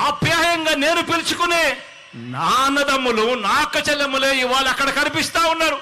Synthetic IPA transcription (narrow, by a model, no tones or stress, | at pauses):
ɐbjaːjɐŋɡaːne̞ːnupilt͡ʃukuneː | naːnɐd̪ɐmːulunaːkːɐt͡ʃɐlːɐmuleːiʋaːɭɐkːɐɽɐkɐnipist̪aːwunːaːɾu